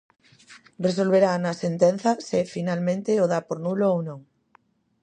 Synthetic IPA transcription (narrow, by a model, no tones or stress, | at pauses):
resolβ̞eɾanɐsent̪enθɐsɪfinalmẽnt̪ɪoðapoɾnuloownõŋ